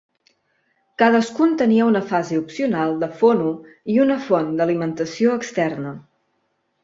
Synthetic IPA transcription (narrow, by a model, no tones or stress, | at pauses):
kaðəskunt̪əniəunəfaziupsiunalˠd̪əfonu | iunəfɔnd̪əlimənt̪əsioəkst̪ɛrnə